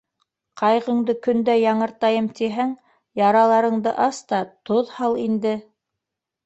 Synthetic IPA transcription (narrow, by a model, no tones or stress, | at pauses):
qʰɑjʁɤ̆ɴd̪ɤkɵ̆nd̪æjɑɴɤ̆ɾt̪ɑjɤmt̪iɦæŋ | jɑɾɑlˠɑɾɤ̆ɴd̪ɤʔɑst̪ɑt̪oðhɑlˠind̪ɘ